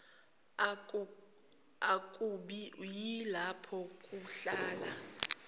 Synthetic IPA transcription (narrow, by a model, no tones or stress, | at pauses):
akʼuɓijilapʰɔkʼuɬaːla